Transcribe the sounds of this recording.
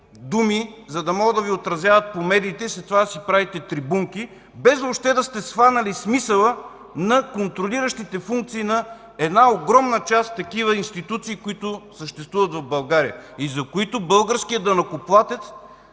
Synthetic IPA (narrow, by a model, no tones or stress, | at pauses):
d̪umizɐd̪ɐmɔɡəd̪ɐviot̪ɾɐzʲjavɐt̪̚pomɛd̪iːt̪ɛislɛt̪ovad̪ɐsipɾavit̪ɛt̪ɾibuŋkʲi | bɛzopʃt̪ɛd̪ɐst̪ɛsvanɐlismisəlˠə | nɐkont̪ɾoliɾəʃt̪it̪ɛfuŋk̚t̪siːnɐ | ɛd̪naoɡɾɔmnət͡ʃast̪t̪ːɐkivəinst̪it̪ut̪siːkoit̪ʊsəʃt̪ɛst̪vuvɐt̪vɐvbɐlˠɡaɾiəizɐkoit̪ʊbɤlˠɡəɾskiəd̪ɐnɐkoplˠat̪ɛt̪s